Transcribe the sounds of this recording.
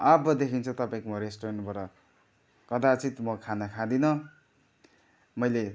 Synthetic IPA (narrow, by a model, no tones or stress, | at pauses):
abʌd̪ekʰint͡sʰʌt̪ʌpãĩkomoɾesʈoɾanʈbʌɾʌ | kʌd̪at͡sit̪mʌkʰanʌkʰad̪inʌ | mʌjle